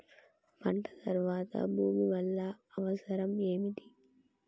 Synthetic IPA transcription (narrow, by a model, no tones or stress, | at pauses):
pɐɳɖɐd̪ɐɾʋaːðɐ̰buːmiʋɐlːaɐʋɐsɐɾɐmeːmid̪i